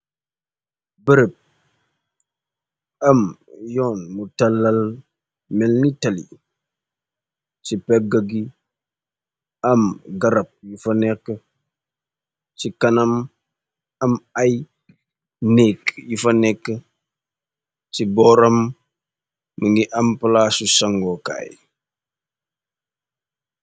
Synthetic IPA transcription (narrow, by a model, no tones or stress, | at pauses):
bəɾəp̚ | ɐmjɔːnmutɐlːal | mɛlnitalḭ | t͡ʃipɛɡaɡi | ɐmɡɐɾɐp̚jufɐnekːə | t͡ʃikɐnɐm | ɐmɐj | nɛːkjufɐnɛkːə | cibɔɾɐm | əŋɡiʔɐmpəlaːsusɐŋɡɔka̰ːj